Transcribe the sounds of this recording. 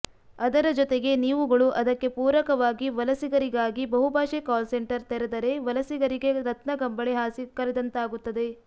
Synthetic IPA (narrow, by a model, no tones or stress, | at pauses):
ɐd̪ɐɾɐd͡ʒɔt̪eɡe̞niːʋuɡɐɭuʔɐd̪ɐkːe̞puːɾɐkɐʋaːɡiʋɐlɐsiɡɐɾiɡaːɡibɐɦubʱaːʃɛkaːlseɳʈɐɾt̪ɛɾed̪ɐɾe̞ʋɐlɐsiɡɐɾiɡe̞ɾɐt̪nɐɡɐmbɐɭeɦaːsikɐɾɛd̪ɐnt̪aːɡut̪ːɐd̪e̞